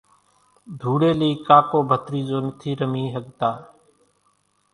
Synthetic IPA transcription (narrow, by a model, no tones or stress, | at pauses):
d̪ʱuːɽeːliːkaːkoːbʱət̪ɾiːd͡ʒoːnət̪ʰiːɾəmiːɦəɠt̪aː